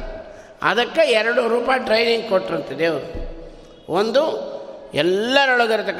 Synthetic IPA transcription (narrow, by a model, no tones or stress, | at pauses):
ɐ̰d̪ɐkːeɛɾɐɽuɾuːpaːjɐʈɾɐjniŋɡkɔʈːɾɐnt̪ːɐd̪eɾu | ond̪u | ɛlːɐɾɐɭɐɡɐɾɐt̪ɐkː